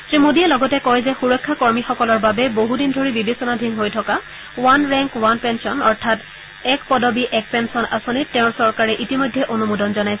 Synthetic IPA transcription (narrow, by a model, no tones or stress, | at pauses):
tɹimodiɛlɔɡɔtɛkɔɹzɛxuɹɔkʰːakɔɹmixɔkɔlɔɹbabɛboɦudindʱoɹibibesɔnadʱiŋɦojtʰɔka | wanɹɛŋkwanpɛnsɔnɔɹtʰat | ɛkpɔdɔbiʔɛk̚pɛnsɔnʔa̰sonitːɛ̃ʊ̃ɹsɔɹkaɹɛʔitimojdʱːɛʔonumudɔnzɔnajsɛ